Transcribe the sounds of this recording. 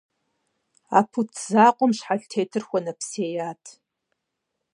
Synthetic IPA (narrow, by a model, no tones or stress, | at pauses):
a̰ːpʰutʰzaːqʷʼɔmʃħaɬtʰeːtʰɨrxʷɔnɐpseːjaːtʰ